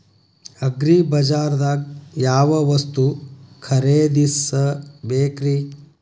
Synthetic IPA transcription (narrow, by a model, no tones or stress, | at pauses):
ɐɡɾibɐd͡ʒaːɾd̪aːɡ̚jaːʋɐʋɐst̪ukʰɐɾeːd̪isːɐbeːkɾi